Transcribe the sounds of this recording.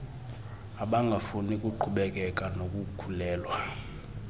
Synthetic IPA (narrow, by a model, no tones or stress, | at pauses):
aɓaŋɡʱafunikʼuǃʰuɓɛk̬ʼɛkʼanokʼukʰulɛːlwa